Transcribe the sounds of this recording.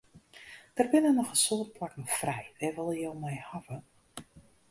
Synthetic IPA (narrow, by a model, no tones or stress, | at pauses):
d̥ərbɪnənɔχəsoːtplakən̩frɛjʋɛʋɔlˠəjolˠmɛjhavə